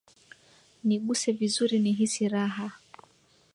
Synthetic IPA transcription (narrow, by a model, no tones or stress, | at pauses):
niɠusɛvizuɾiniɦisiɾaɦa